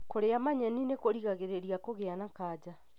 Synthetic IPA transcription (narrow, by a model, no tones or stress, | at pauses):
koɾeamaɲɛninekoɾiɣaɣeɾeɾiakoɣeanakaːd͡ʑa